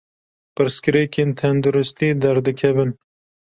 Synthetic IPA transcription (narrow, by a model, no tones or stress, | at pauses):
pɨɾskɾekent̪ʰand̪uɾɪst̪id̪ɐɾd̪ɨkʰɐbɨn